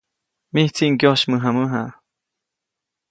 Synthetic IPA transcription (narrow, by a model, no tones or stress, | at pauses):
miht͡siʔŋkjoʃmɨɦaməɦa